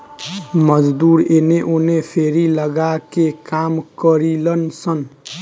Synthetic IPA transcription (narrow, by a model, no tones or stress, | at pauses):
məd͡ʒd̪uɾeneʔonepʰeɾiləɡakekamkəɾilənsən